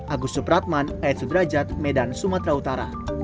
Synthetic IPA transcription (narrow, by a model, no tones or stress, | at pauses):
ʔaɡusupɾat̪̚manajɛt̪̚sud̪ɾad͡ʒat̪̚mɛdansumat̪ɾaut̪aɾa̰